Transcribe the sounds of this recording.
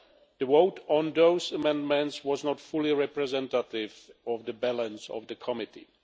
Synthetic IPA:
d̪əwowtʰɔ̃ndoʊsəmɛ̃ndmɛ̃ntswɔznɔtfʊliɹɛpɹɛzɛ̃ntatɪvɔvdəbælə̃nsɔ̰vdəkʰɔmɪtḭ

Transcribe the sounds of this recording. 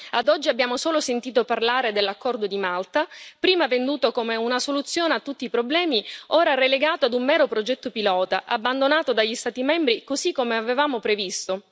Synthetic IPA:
ad̪ɔd͡ʒːiabːjaːmosoːlosent̪iːt̪oparlaːɾed̪elːakːɔrd̪od̪imalt̪apɾiːmavend̪uːt̪okomeunasolut̪sːjoːneat̪ːut̪ːiːpɾoblɛːmioːɾareleɡaːt̪oad̪ummɛːɾopɾod͡ʒɛt̪ːopilɔːt̪aʔabːand̪onaːt̪od̪aʎːist̪aːt̪imɛmbɾikozikːomeavevaːmopɾevist̪o

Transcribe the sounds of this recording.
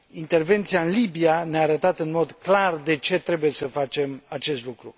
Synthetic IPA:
int̪e̞rve̞nt̪siaɨnlibianeaːɾət̪at̪ɨnmo̞d̪klard̪e̞t͡ʃe̞t̪ɾe̞buje̞səfat͡ʃe̞mat͡ʃe̞st̪lukɾu

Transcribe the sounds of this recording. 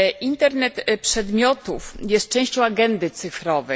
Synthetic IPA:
ʔint̪ɛɾnɛt̪pʂɛd̪mʲjɔt̪ufjɛst̪̚t͡ʂɛ̃w̃ɕt͡ɕɔ̃w̃aɡɛnd̪ɘt̪sɘfɾɔvɛ

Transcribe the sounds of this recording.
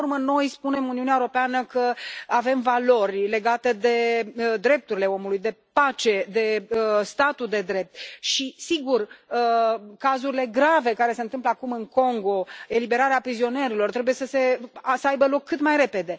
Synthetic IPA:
rməno̞jspune̞muniuneaeuɾopeanəkəave̞mvalo̞rʲle̞ɡat̪e̞d̪e̞d̪ɾe̞p̚t̪uɾile̞o̞mulujd̪e̞pat͡ʃe̞d̪e̞əst̪at̪ud̪e̞d̪ɾe̞p̚t̪̚ʃisiɡurəkazuɾile̞ɡɾave̞kaɾe̞se̞ɨnt̪ɨmpləakumɨŋko̞ŋɡo̞e̞libe̞ɾaɾeapɾizio̞ne̞ɾilo̞rt̪ɾe̞buje̞səse̞asəajbəlo̞kʰːɨt̪majrɾe̞pe̞d̪e̞

